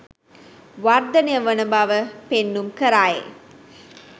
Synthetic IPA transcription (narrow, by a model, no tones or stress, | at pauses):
ʋard̪ɐnejəʋɐnəbaʋəpenːumkəɾaːjḛ